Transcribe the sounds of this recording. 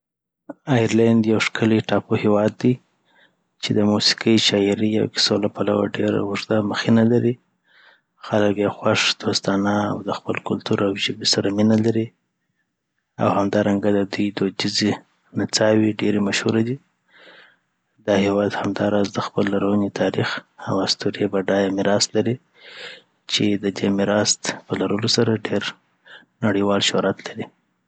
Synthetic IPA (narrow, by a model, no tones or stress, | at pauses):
ɑjaɾland̪jawʂkʰəliʈɑpohewɑd̪ːi | t͡ʃed̪əmusi̥kəjʃɑɪɾia̰wkɪ̥solapalawa̰ɖeɾa̰ʊʐd̪aməxinalaɾi | xaləkjawxwaʂd̪̥ost̪ɑnaa̰wd̪əxpəlkʊlt̪uɾawʒəbisaɾaminalaɾi | a̰whamd̪ɑɾaŋɡad̪əd̪ujd̪od͡ʒize | nat͡sɑwiɖeɾemaʃhuɾad̪i | d̪ɑhewɑd̪hamd̪ɑɾɑzd̪əxpəlːaɾawənit̪ʰɑɾixawast̪uɾebaɖɑjamɪɾɑst̪laɾi | t͡ʃed̪əd̪emɪɾɑst̪pəlaɾəlosaɾaɖeɾ | naɽiwɑlʃoɾat̪laɾi